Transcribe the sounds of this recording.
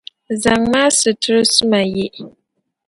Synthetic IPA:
za˨ŋmaː˦sɨ˨tɨ˦ɾsɨ˦ma˨je˦ʔ

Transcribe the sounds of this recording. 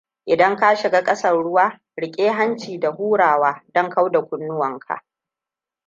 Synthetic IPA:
ʔɪ˨dɐ˦ŋka˦ʃɪ˨ɡaː˦kʼɐ˦sɐ˦rɽʊ˦waː˦ | ɽɪ˨kʲʼeː˦ɦa˦nt͡ʃiː˨da˨huː˦ɽaː˨waː˦dɔ˦ŋka˦wda˨kʷʊ˨nːʊ˦wɐ˨ŋkʰa̰˨ʔ

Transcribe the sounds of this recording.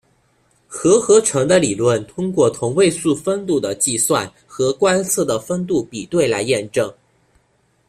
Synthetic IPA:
xɤ˧˥xɤ˧˥ʈ͡ʂʰɤ˧˥ŋd̪ə˧li˨˩lwə˥˩nt̪ʰʊ˥ŋkwɔ˥˩t̪ʰʊ˧˥ŋwe˥˧ɪsu˥˧fə˥nt̪u˥˩d̪ə˩t͡ɕi˥˧swa˥˩n | xɤ˧˥kwa˥nsʰɤ˥˩d̪ə˩fə˥nt̪u˥˩pi˨˩t̪we˥˩ɪla˧˥ɪjɛ˥˧nʈ͡ʂɤ˥˩ŋ

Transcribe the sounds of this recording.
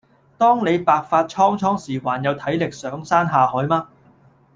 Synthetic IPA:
t̪ɔː˥ŋne˨˧jpaː˨˧k̚faː˧t̚t͡ʃʰɔː˥ŋt͡ʃʰɔː˥ŋsiː˨˩waː˨˩njɐ˨˧wt̪ʰɐ˨˥jlɪ˨k̚sœː˨˥ŋsaː˥nɦaː˨˧hɔː˨˥jmaː˥

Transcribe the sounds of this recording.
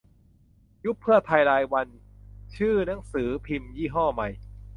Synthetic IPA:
ju˦˥pʰːɯ˥˩ɐt̪ʰa˧jɾaː˧jwa˧nt͡ɕʰɯː˥˩na˩˦ŋsɯː˩˦pʰi˧mjiː˥˩ɦɔː˥˩ma˧j

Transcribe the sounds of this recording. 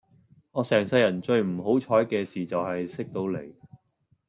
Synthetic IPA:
ŋɔː˨˧sɛː˨˩ŋsɐ˧jːɐ˨˩nt͡ʃɵ˧ɥm̩˨˩ɦo˨˥wt͡ʃʰɔː˨˥jkɛː˧siː˨t͡sɐ˨wɦɐ˨jsɪ˥k̚t̪o˨˧wle˨˩j

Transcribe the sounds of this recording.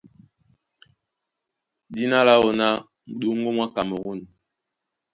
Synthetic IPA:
di˦na˦la˦o˦na˦˨ | ɗu˦ŋ˦ɡo˦mwa˦ka˨mə˨ɣu˦˨n˨

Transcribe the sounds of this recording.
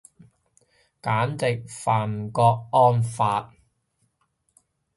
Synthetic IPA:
kaː˨˥nt͡sɪ˨k̚faː˨˩n˨kɔː˧k̚ːɔː˥nfaː˧t̚

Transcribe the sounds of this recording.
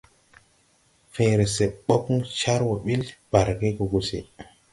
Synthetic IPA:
fe˨jɾe˨se˨ɓo˦ku˦ŋt͡ʃa˦ɾwo˨ɓi˦lb̥a˨ɾɡe˦ko˨ɡu˨sḭ˨

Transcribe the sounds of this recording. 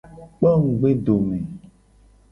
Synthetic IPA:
k͡pɛ˦ŋũ˨ɡ͡be˦ɖo˨mẽ˨

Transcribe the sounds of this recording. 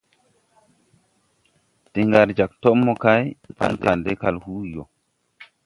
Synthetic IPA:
ti˨ŋɡa˨ɾd͡ʒa˨k̚to˦mːɔ˨ka˦jpa̰˦nta˨nde˦ka˨lhu˦˨jo˨

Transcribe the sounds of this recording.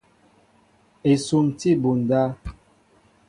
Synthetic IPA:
e˨su˨mti˦˨bu˨n˨da˦

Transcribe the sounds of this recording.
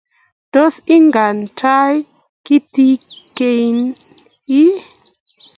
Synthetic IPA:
dto˦si˦ŋɡa˨nta˦j | ki˦ti˦ke˧jn | i˦

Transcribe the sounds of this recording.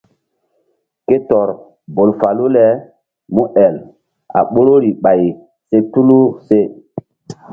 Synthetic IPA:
ke˦tɔ˨ɾ | bo˨lfa˨lu˦lɛ˨˦ | mu˦ʔɛ˨l | a̰˨ɓo˦ɾo˦ɾi˨ɓa˨j | se˦tu˦lu˦se˦

